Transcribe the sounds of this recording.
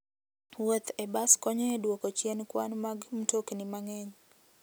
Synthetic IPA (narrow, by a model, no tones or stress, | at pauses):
wot̪ɛbaskɔɲɔedwokɔt͡ʃjɛnkwanmaɡm̩toknɪmaŋɛɲ